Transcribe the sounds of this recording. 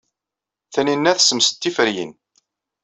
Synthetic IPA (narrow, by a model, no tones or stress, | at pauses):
θæninːæθsəmst̪ːifəɾjḭn